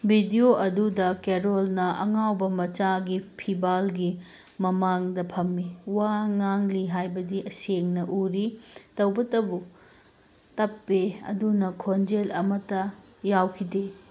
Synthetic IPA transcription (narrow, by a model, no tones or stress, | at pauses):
bʱidioʔɐdudɐkeɾolnɐʔɐŋawbɐmɐt͡ʃaɡipʰibalɡi | mɐmaŋdɐpʰɐmːiwaŋaŋliɦajbɐdiʔɐseŋnɐʔuɾitɐwbɐtɐbu | tɐpːeɐ̰dunɐkʰond͡ʒelɐmɐtːɐ | jawkʰide